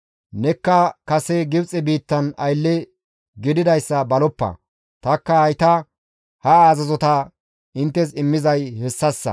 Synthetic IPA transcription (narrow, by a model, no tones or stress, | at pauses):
nɛkːɐkɐsɛɡɪbt͡sʼɛbiːt̪ːɐnɐjlːɛ | ɡɪd̪ɪd̪ɐjsːɐbɐlɔpːɐ̰ | t̪ɐkːɐɐjt̪ɐ | hɐaːzɐzɔt̪ɐ | ɪnt̪ːɛs̬ɪmːɪzɐjhɛsːɐsːɐ̰